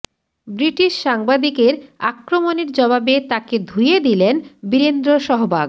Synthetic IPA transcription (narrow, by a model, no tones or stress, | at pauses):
bɾiʈiʃʃaŋbad̪ikeɾa̰kɾomoneɾd͡ʑɔβabet̪aked̪ʱujed̪ilenbiɾend̪ɾoʃɔɦobʱaɡ